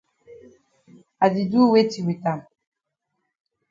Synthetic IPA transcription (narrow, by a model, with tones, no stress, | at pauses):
a˨di˨du˦we˦ti˨wi˨ta˨